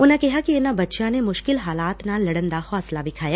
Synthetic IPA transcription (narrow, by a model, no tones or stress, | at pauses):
ʊnẽkɛɦakienãbɐtːʃãnemʊʃkɪlɦaːlaːt̪nãlɐɽə̃nd̪ahɔːslabɪkʰaːja